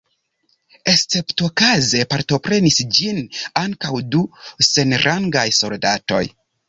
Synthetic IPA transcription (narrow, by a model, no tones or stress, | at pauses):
e̞st͡se̞pto̞kaze̞paɾto̞pɾe̞nisd͡ʒinaŋkawduse̞nɾaŋɡajso̞ldato̞̰j